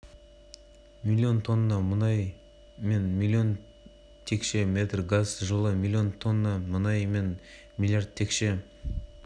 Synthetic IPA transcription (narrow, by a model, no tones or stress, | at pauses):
mʲilʲijo̞nt̪ʰo̞nːɑmənɑj | me̞nmʲilʲːijo̞n | t̪ʰe̞kʃe̞mʲe̞t̪rɡazʒəlˠəmʲilʲˠːio̞nt̪ʰo̞nːɑmənɑjme̞n | mʲilʲjard̪̚t̪ʰe̞kʃe̞